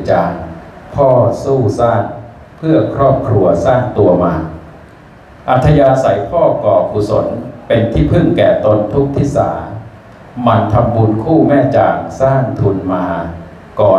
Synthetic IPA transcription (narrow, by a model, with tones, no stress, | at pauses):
t͡ɕaː˧˩ŋpʰɔː˥˩suː˥˩saː˥˩n | pʰɯ˥˩ɐkʰɾɔː˥˩p̚kʰɾu˧ɐsaː˥˩ŋt̪u˧ɐmaː˧ | ʔa˨˧˦t̪ʰːa˧jaː˧sa˩˦jpʰɔː˥˩kɔː˨˩pʰuː˨˩so̰˩˦npe˧nt̪ʰiː˥˩pʰɯ˥˩ŋkɛː˨˩t̪o˧nt̪ʰu˦˥k̚t̪ʰiː˥˩sa̰ː˩˦ | ma˧nt̪ʰa˧mbu˧nkʰuː˥˩mɛː˥˩t͡ɕaː˨˩ŋsaː˥˩ŋt̪ʰu˧nmaː˧ | kɔː˨˩